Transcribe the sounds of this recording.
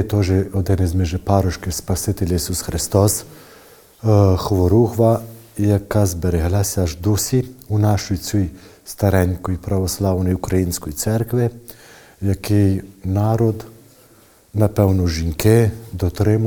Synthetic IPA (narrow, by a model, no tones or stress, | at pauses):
t̪ɔʒɛɔd̪ɛnɛzmɛʒɛpaɾɔʃkɪwspasɪt̪ɛlʲajisusxɾɪst̪ɔs | xʋɔɾuxʋa | jakazbɛɾɛɦlasʲaʒd̪usiunaʃɔjsʲuj | st̪aɾɛnkɔjpɾaʋɔslawnɔjukɾajinskɔjt̪sɛɾkʋɪ | jakejnaːɾɔd̪ | napɛwnɔʒiŋked̪ɔt̪ɾem